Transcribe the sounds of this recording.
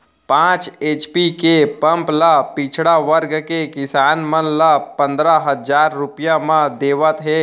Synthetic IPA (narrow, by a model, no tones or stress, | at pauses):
pãːt͡ʃeːt͡ʃpikepə̃mplapɪt͡ʃʰɽaʋəɾɡkekɪsaːnmənlapə̃nd̪ɾaɦəzaːɾːʊpjamãd̪eːʋət̪ɦɛː